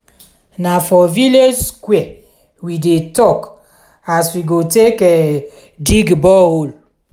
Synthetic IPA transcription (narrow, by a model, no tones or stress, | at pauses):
nafɔvileskwɛ | widetɔk | aswiɡotekɛ | diɡbɔol